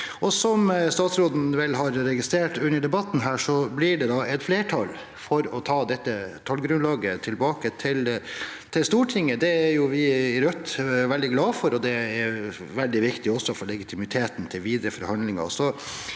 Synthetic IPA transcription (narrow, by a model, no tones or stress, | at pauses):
ʔɔsɔmst̪ɑːt̪sɾoːd̪n̩ʋɛlːɦɑɾɾɛɡɪst̪ɾeːʈʉnːəɖɛbɑt̪ːn̩ɦæːʂɔblɪɖɛd̪ɑɛt̪fleːʈʰɑl | fɔɾɔt̪ʰɑːd̪ɛt̪ːət̪ʰɑlɡɾʉnlɑːɡət̪ʰɪlbɑːkət̪ʰɪlt̪ʰɪlst̪uːʈʰɪŋːəd̪ɛæɾjʊʋɪɪɾœt̪ːʋɛld̪ɪɡlɑːfɔɾɔd̪ɛɛɾ | ʋɛld̪ɪʋɪkt̪ɪɔsːɔfɔɭɛɡɪt̪ʰɪmɪt̪ʰeːt̪n̩t̪ʰɪlʋiːd̪ɾəfɔɾhɑnd̪lɪŋɑ̰sɔ